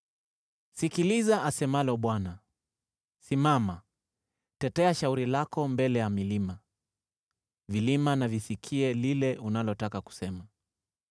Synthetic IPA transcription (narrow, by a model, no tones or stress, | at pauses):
sikilizaasɛmalɔɓwana | simama | tɛtɛaʃauɾilakɔmbɛlɛjamilima | vilimanavisikʰiɛlilɛʔunalɔtakaku̥sɛma